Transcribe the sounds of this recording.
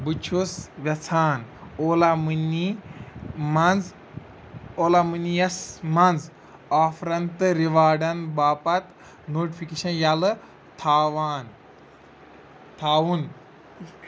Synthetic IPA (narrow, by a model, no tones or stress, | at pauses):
but͡ʃʰusʋʲɐt͡sʰaːnoːlamɨni | mɐnd͡z | oːlamɨnijɐsmɐnd͡z | aːfɾɐnt̪ɨɾiʋaːɖɐnbaːpɐt̪ | noːʈifʰikeːʃɐnjalɨ | t̪ʰaːʋaːn | t̪ʰaːwun